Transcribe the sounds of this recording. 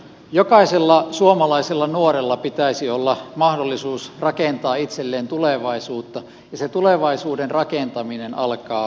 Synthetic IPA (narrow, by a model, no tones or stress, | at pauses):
jokɑiselːɑsuomɑlɑiselːɑnuoɾelːɑpit̪æisiolːɑmɑhdolːisuːsrɑkent̪ɑːit̪selːeːnt̪uleʋɑisuːt̪ːɑ | jɑset̪uleʋɑisuːdenrɑkent̪ɑminenɑlkɑː